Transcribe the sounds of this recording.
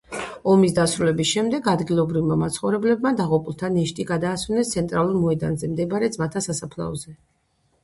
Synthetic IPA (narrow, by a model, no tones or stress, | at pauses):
ɔmis̬d̪asɾulɛbisʃɛmd̪ɛɡad̪ɡilˠɔbɾivmamat̪sʰχɔvɾɛblɛbmad̪aʁɔpʼulˠt̪ʰanɛʃt̪ʼiɡad̪aːswɛnɛst̪sʰɛnt̪ʼɾalˠuɾmɔɛd̪a̰nzɛmd̪ɛbaɾɛd̪zmat̪ʰasasapʰlˠa̰ɔzɛ